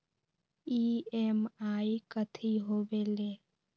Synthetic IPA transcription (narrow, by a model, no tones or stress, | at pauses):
iːemaːikət̪ʰiɦoːʋeːleː